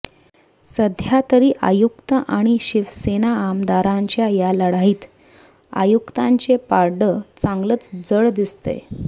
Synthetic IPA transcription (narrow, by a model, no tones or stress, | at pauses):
səd̪ʱjat̪əɾiːʔa̰jukt̪əʔaɽ̃iɕiʋsenaːmd̪aɾãɲt͡ɕjajaləɽ̤aɦiːt̪ | a̰jukt̪ãɲt͡ɕepaɾɖət͡sãŋɡlət͡sd͡zəɭd̪ist̪ḛ